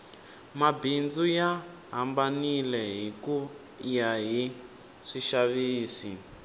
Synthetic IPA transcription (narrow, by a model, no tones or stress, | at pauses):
mabʱind͡zuja | ɦambanilɛɦiku | jaɦi | ʂiʃaβiːsi